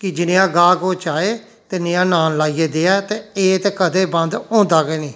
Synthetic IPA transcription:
kɪd͡ʒɪnɪ̃ãːɡaːkoːt͡ʃaːeː | t̪enɪãːnaːnlaːiːeːd̪eːaːt̪eːeːt̪ekəd̪eːbə̃nd̪õːnd̪aːɡeːnĩː

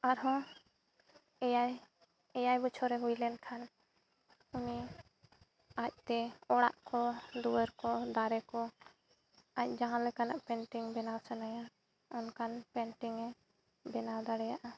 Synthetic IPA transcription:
aɾɦɔ̃ | ɛjaj | ɛjajbut͡ʃʰɔɾɛɦujlɛnkʰan | uni | ac̚ˀt̪ɛɔɽaʔkɔɖuwəɾkɔd̪aɾɛkɔ | ac̚ˀd͡ʒaɦãlɛkanaʔpɛɳʈiŋbɛnasɛnaja | ɔnkʰanpɛɳʈiŋɛ | bɛnad̪aɽɛjaʔa

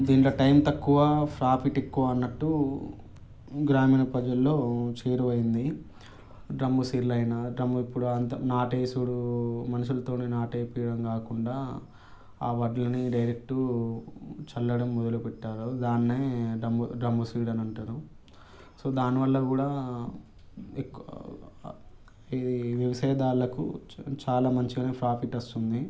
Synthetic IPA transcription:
d̪iːnlɐʈɐjmt̪ɐkːuʋapʰɾaːpʰiʈekːuʋaɐnːɐʈːu | ɡɾaːmiːnɐpɐd͡ʒɐlːo̞ːt͡ʃeːɾuʋɐjind̪i | ɖɾɐmbusiːɾlɐjnɐɖɾɐmbuipːuɽuɐnt̪ɐnaːʈeːsuɽumɐnɐʂ̬ulɐt̪o̞ːneːnaːʈɐjɐpiːjɐɽɐmkaːkuɳɖaː | aːʋɐɖlɐniɖɐjɾek̚ʈu | t͡ʃɐlːɐɽɐmːɔd̪ɐlupɛʈːaːɾud̪aːnːeːɖɐmuɖɐmbusiːɽɐnɐɳʈaːɾu | so̞ːd̪aːniʋɐlːɐkuːɽaː | ekː | id̪iʋiʋɐsɛːɐd̪aːɾlɐkṵt͡ʃaːlaːmɐɲt͡ʃiɡːneːpɾaːpiʈːɐst̪und̪i

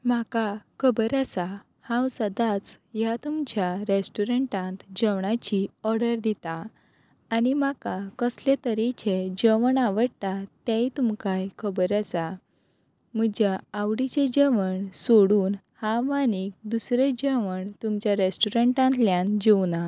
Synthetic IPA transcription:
makakʰəbəɾasa | hãwsəd̪at͡sjat̪umt͡ɕjaɾesʈuɾəɳʈãnt̪d͡ʑəwɳat͡ɕiɔɾɽəɾd̪it̪a | animakakəslet̪əɾit͡ɕed͡ʑəʋəɳaʋəɽt̪at̪ɛ̃jt̪umkajkʰəbɾasa | m̤əd͡ʑaːʋɽit͡ɕed͡ʑəʋəɳsoɽuːn | hãʋanik̚d̪usɾed͡ʑəʋəɳt̪umt͡ɕjaɾesʈuɾəɳʈãnt̪ljãnd͡ʑewna

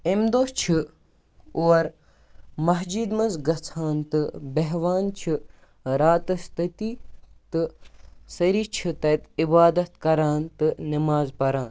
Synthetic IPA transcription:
emd̪oːst͡ʃʰi | uwɐɾ | mɐɦd͡ʒiːd̪mɐnzɡɐt͡sʰaːnt̪ɨbɐɦʋaːnt͡ʃʰi | ɾaːt̪ɐst̪ɐt̪it̪ɨsɐɾiːt͡ʃʰɨt̪ɐt̪ibaːd̪ɐt̪kɐɾaːnt̪ɨnimaːzpɐɾaːn

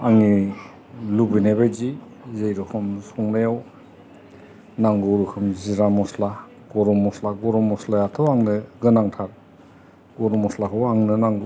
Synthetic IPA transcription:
aŋi | lubinebajzi | zejɾɔkʰɯmsɔŋnajaw | naŋɡɯɾukʰɯmziɾamɔsla | ɡ̥ɔɾɔmɔslaɡɔɾɔmɔslajatʰɔwaŋnɯɡɯnaŋtʰaɾ | ɡɔɾɔmɔslakʰɯwaŋnɯnaŋɡu

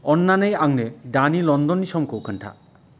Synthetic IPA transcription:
ɔnːanejaŋneɖanilɔnd̪ɔnːisɔmkowkʰaɳʈʰa̰

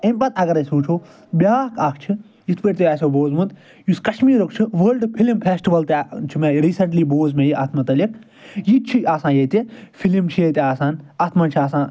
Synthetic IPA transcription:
emʲpɐt̪ɐɡɐɾɐsuːt͡ʃʰoː | bʲaːkʰaːkt͡ʃʰi | jit̪ʰpəʈʲt̪eaːsʲoːboːzmund̪ | juskɐʃmiːɾuk̚t͡ʃʰɨʋəːlɖpʰilimpʰeːsʈiʋɐlt̪et͡ʃʰimeɾiːsɐɳʈliːboːzmẽjiʔaːt̪ʰmɐt̪ɐlik | jit̪̚t͡ʃʰiaːsãːjet̪ʲefʰilimt͡ʃʰijet̪ʲeaːsaːnaːt̪ʰmaːnt͡ʃʰiaːsãː

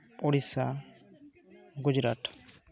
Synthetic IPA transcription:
ɔɽisa | ɡud͡ʒɾa̰ʈ

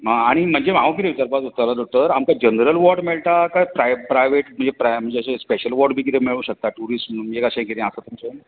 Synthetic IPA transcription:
ɦãaɽ̃im̤əɳd͡ʑemaʋə̃kit̪eʋit̪əɾpat̪ot̪alad̪ɔk̚ʈ̪əɾamkad͡ʑənɾəlʋɔɾɖmeɭʈ̪akajpɾajpɾajʋeʈm̤əɳd͡zepɾam̤əɳd͡zeəɕespeɕəlʋɔɾɖbʱiːkit̪emeɭũːɕək̚t̪aʈuɾismiekaɕãkiɾẽəsat̪umt͡sə

